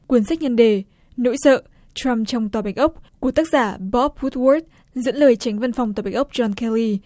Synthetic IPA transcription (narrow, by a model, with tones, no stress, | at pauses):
kwi˧˩ənsa˦˥k̟̚ɲə˧nɗe˨˩ | no̰˧˥jsə̰ː˧˨ | t͡ɕɹa˧mt͡ɕɔ˧wŋ͡mt̪waː˨˩ɓa˨˩jk̟ʔə˦˥wk͡p̚ku˧˩ət̪aː˦˥k̚zaː˧˩ɓɔ˦˥p̚hu˦˥t̚wɔ˦˥t̪̚ | zɨ̰˧˥nləː˨˩jt͡ɕa˨˦jŋ̟və˧nfwŋ͡mt̪waː˨˩ɓa˨˩j̟ʔk͡p̚t͡ɕɔ˧nkɛ˧li˧